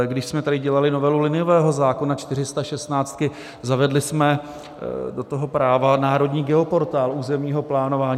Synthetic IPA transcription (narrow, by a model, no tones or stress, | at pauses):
ɡdɪʃsmɛt̪adɪɟɛlalɪno̞vɛlulɪnɪovɛːɦo̞zaːkonat͡ʃt̪ɪr̝ɪst̪aʃɛst̪naːt͡st̪̚kɪ | zavɛdlɪsmɛ | do̞t̪oɦo̞pɾaːvanaːɾo̞dɲiːɡɛopo̞ɾt̪aːluːzɛmɲiːɦo̞plaːno̞vaːɲː